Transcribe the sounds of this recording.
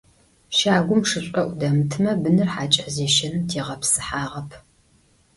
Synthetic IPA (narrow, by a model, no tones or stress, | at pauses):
ʃaːɡʷʊmʂɨɕʷʼɐʔʷʊdɐmɨtʰɨmɐbɨnɨrħaːt͡ʃʼɐzeːʃɐntʰeːʁɐpsɨ̥ħaːʁɐpʰ